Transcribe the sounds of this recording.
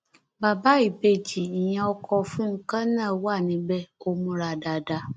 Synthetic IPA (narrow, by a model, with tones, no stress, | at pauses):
ba˨ba˦i˨be˨d͡ʒi˨ɲã˨˦ɔ˦kʰɔ˧fĩ˦ŋ̩˦kã˦nãː˦˨wa˦˨nĩ˨bɛ˦o˦mũ˨˦ɾa˨da˨da˨